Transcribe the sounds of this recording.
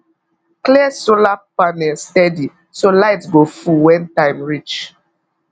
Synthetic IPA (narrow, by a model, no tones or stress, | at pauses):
klɛsolapanɛlstɛdi | solaɪtsɡofuwɛ̃ntãɪ̃mɹit͡ʃ